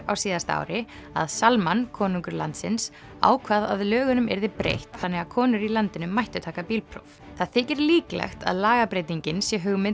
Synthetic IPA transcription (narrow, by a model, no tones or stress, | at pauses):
awsiːðast̪aa̰wɾɪa̰ðsalmankʰɔːnuŋkʏɾlant̪sɪns | a̰ːwkʰvaðaðlœːɣʏnʏmɛ̰ɾðɪpɾḛjht̪θanːɛɣaðkʰɔːnʏɾilant̪ɪnʏmːajht̪ʏt̪ʰaːkapiːlpʰɾo̰wv | θaðθɪːcɪɾliːklɛ̰xt̪a̰ðlaːɣapɾejt̪iɲcɪnsjɛɦʏɣmɪ